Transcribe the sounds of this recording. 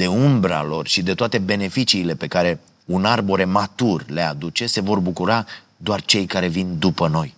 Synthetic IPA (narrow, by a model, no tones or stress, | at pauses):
d̪̥e̞umbɾa̰lo̞rʃid̪e̞t̪oat̪e̞be̞ne̞fit͡ʃiːle̞pe̞kaɾe̞ | unarbo̞ɾe̞mat̪urle̞ad̪ut͡ʃe̞se̞vo̞rbukuɾa | d̪oart͡ʃe̞jkaɾe̞vind̪upəno̞j